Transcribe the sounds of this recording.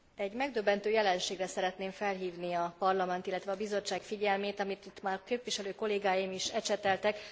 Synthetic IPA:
ɛɟmɛɡ̚d̪ø̞bːɛnt̪øːjɛlɛnʃeːɡrɛsɛɾɛt̪neːɱfɛlɦiːvniɒpɒrlɒmɛnt̪ilːɛt̪ʋɛɒbizo̞t͡ʃːaːkfiɟɛlmeːt̪ɒmit̪it̪ːmaːrkeːpʋiʃɛløːko̞leːɡaːjimiʃɛt͡ʃɛt̪ɛlt̪ɛk

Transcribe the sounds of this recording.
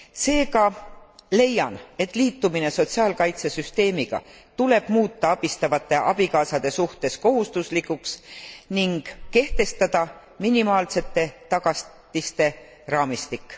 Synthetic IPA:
se̞ːɡɑle̞jɑne̞t̪ːˑliːt̪ˑːumine̞so̞t̪ʲsiɑːlkɑjt̪se̞syst̪e̞ːmiɡ̥ɑ̰t̪ule̞b̥muːt̪ˑːɑɑb̥ist̪ɑvɑt̪ːˑe̞ʔɑ̰b̥ikɑːsɑd̪̥e̞suht̪e̞sko̞ɦust̪uslikːˑuksniŋɡ̥ke̞ht̪e̞st̪ɑd̪̥ɑ | minimɑːlse̞t̪ːe̞t̪ɑɡ̥ɑst̪ist̪e̞ | rɑːmist̪ikːˑ

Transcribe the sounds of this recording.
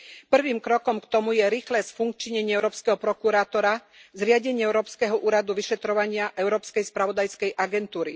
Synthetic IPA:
pr̩ʋiːmkɾɔkɔmkt̪ɔmujɛɾiːxlɛsfuŋkt͡ʃiɲɛɲɪɛɛʊɾɔːpskɛɦɔpɾɔkuɾaːt̪ɔɾa | zɾɪaɟɛɲɪɛɛʊɾɔːpskɛɦɔʔuːɾad̪uʋiʃɛt̪ɾɔʋaɲɪaʔɛʊɾɔːpskɛjspɾaʋɔd̪ajskɛjʔaɡɛnt̪uːɾi

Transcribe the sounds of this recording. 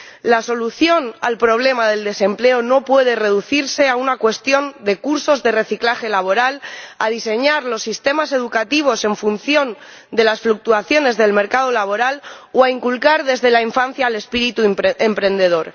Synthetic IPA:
laso̞luθjo̞nalpɾo̞β̞le̞maðe̞ld̪e̞se̞mple̞ono̞pwe̞ð̞ere̞ð̞uθiɾse̞aunakwe̞st̪jo̞nd̪e̞kuɾso̞zðe̞re̞θiklaxe̞laβ̞o̞ɾalaðise̞ɲaɾlo̞sːist̪e̞mase̞ðukat̪iβ̞o̞se̞ɱfunθjo̞n | d̪e̞lasfluk̚t̪uaθjo̞ne̞zðe̞lme̞ɾkað̞o̞laβo̞ɾal | oaiŋkulkaɾð̞e̞zðe̞laiɱfan̟θjaːle̞spiɾit̪uempɾe̞nd̪e̞ð̞o̞ɾ

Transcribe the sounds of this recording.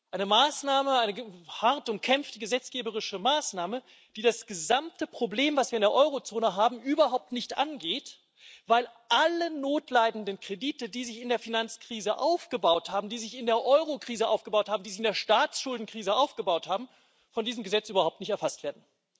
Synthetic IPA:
ʔaɪnəmaːsnaːməaɪnəhaɐtʊmkʰɛmftəɡəzɛt͡sɡ̥eːbəʁ̞ɪʃəmaːsnaːmə | d̥iːdasɡ̥əzamtəpʁ̥obleːmvasv̥iːɐɪndeɐʔɔʏʁot͡soːnəɦaːbm̩ʔyːbɐɦaʊp̚tnɪçtʔa̰nɡeːt | vaɪlʔalənoːtlaɪdn̩dənkʁ̥ediːtədiːzɪçɪndeːɐfinant͡skʁ̥iːzəʔaʊfɡ̥əbaʊthaːbm̩diːzɪçɪndeːɐʔɔʏʁokʁ̥iːzəʔa̰ʊfɡ̥əbaʊthaːbm̩diːzɪçɪndeːɐʃtaːt͡sʃʊldn̩kʁ̥iːzəʔaʊfɡ̥əbaʊthaːbm̩ | fɔndiːzəm̩ɡəzɛt͡sʔyːbɐhaʊp̚tnɪçtɛɐfastv̥eːɐdn̩

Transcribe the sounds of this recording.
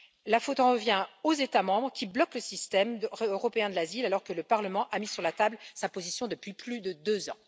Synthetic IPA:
lafot̪ɑ̃ʁəvjɛ̃ozet̪amɑ̃bʁkʲiblɔkləsist̪ɛmøʁɔpeɛ̃d̪əlazilalɔʁkələpaʁləmɑ̃ʔamisyʁlat̪ablsapozisjɔ̃d̪əpɥiplyd̪əd̪øzɑ̃

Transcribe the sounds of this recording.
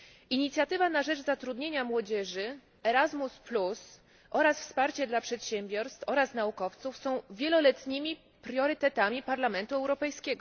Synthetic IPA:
ʔiɲit̪sʲjat̪ɘvanaʐɛt͡ʂzat̪ɾud̪ɲeɲamwɔd͡ʑɛʐɘ | ɛɾazmusplus | ʔɔɾasfspaɾt͡ɕɛd̪lapʂɛt̪ɕɛmʲbʲjɔɾst̪fɔɾasnaukɔft̪sufsɔ̃w̃vʲjɛlɔlɛt̪ɲimʲi | pɾʲjɔɾɘt̪ɛt̪amʲipaɾlamɛnt̪uɛwɾɔpɛjskʲɛɡɔ

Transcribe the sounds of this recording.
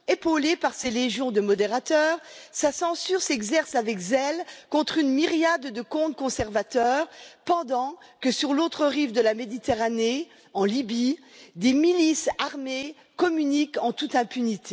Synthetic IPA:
epolepaʁseleʒjɔ̃d̪əmɔd̪eʁat̪œːʁsasɑ̃syʁsɛɡzɛʁsavɛkzɛlkɔ̃t̪χynmiʁjad̪d̪əkɔ̃t̪̚kɔ̃sɛʁvat̪œʁpɑ̃d̪ɑ̃kəsyʁlot̪χəʁivd̪əlamed̪it̪eʁane | ɑ̃libid̪emilisaʁme | kɔmynikɑ̃t̪ut̪ɛ̃pynit̪ʰe

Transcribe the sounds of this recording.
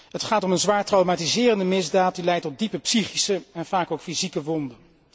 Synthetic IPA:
ɦətχaːtɔmənzʋaːɹtrawmaːtizɪːrəndəmɪzdaːt̚dilɛjtɔt̚dipəpsiχisəɛnvaːkowkfizikəʋɔndən

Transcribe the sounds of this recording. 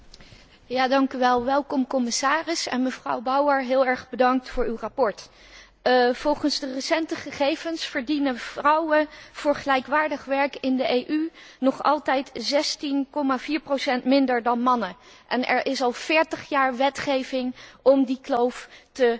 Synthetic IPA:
jaːdɑŋkyʋɛlˠʋɛlˠkɔmkɔmɪsaːrɪsɛ̰nməvrʌ̰wbɑwəɹɦɪːlˠɛɹχbədɑŋk̚tfʊːɹywrɑpɔɹt | v̥ɔlˠχənzdərəsɛntəχəχejvənsfəɹdinəvrɑwəv̥ʊːɹχəlɛjkʋaːɹdəχʋɛɹkɪndəʔejʔy | nɔχɑ̰lˠtɛjtzɛstinkɔmaːv̥iːɹprowsɛntmɪndəɹdɑnmɑnə | ʔɛ̰nɛ̰ɹʔɪsɑlˠv̥ɪːɹtəχjaːɹʋɛtχejvɪŋɔmdiklowftə

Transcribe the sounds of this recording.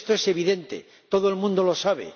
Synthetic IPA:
st̪oe̞se̞β̞iðe̞nt̪e̞̰ | t̪o̞ðoelmũnd̪o̞lo̞saβ̞e̞̰

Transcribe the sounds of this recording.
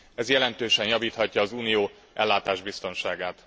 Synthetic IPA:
ɛzjɛlɛnt̪øːʃɛnjɒviːt̪hɒcːɒːzuːnijoː | ʔɛlːaːt̪aːʒbist̪o̞nʃaːɡaːt̪

